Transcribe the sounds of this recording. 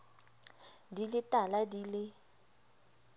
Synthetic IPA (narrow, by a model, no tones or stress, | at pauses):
dilɪtʼaladilɪ